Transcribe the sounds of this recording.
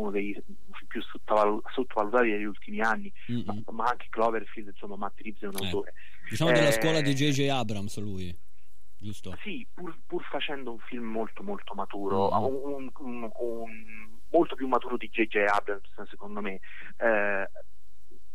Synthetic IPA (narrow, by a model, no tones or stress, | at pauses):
unod̪ej | fimpjusot̪ːaval | sot̪ːovalut̪aːt̪ineʎːult̪imianːi | ma | maaŋk̟eklɔveɾfild̪insomːamat̪ːeɾifsɛunawt̪oːɾe | d̪it͡ʃaːmod̪elːasswɔːlad̪id͡ʒejd͡ʒejabɾamsluːj | d͡ʒust̪osipurpurfat͡ʃɛnd̪ouɱfilmːolt̪omolt̪omat̪uːɾouun | u | u | n | molt̪opjumːat̪uːɾod̪id͡ʒed͡ʒeabɾamssekond̪ome | ɛ